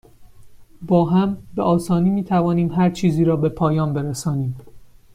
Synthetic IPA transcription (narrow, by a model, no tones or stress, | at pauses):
bɒːɦæmbeʔɒːsɒːniːmiːt̪ʰævɒːniːmɦæɾt͡ʃʰiːziːɾɒːbe̞pʰɒːjɒːnbeɾesɒːniːm